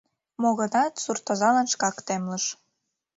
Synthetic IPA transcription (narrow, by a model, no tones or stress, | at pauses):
moɣə̆nɑt̪surt̪ozɑlɑnʃkɑkt̪emlə̆ʃ